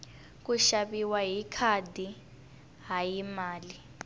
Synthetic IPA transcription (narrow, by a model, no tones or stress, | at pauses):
k̬ʼuʃaɓiwaɦikʰadʱi | ɦajimaːli